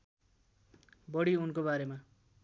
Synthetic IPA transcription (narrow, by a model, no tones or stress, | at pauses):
bʌɽiunkobaɾema